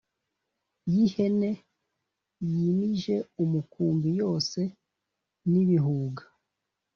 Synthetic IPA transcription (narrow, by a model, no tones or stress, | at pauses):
jihe̞ne̞ | jimiʒe̞umukuːmbijo̞ːse̞ | niβiɦuːɡḁ